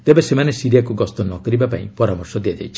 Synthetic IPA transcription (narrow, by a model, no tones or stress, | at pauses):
t̪ebesemanesiɾijakuɡɔst̪ɔnɔkɔɾibapa̰ḭ̃pɔɾamɔɾsɔd̪iad͡ʒa̰jt͡ʃʰi̥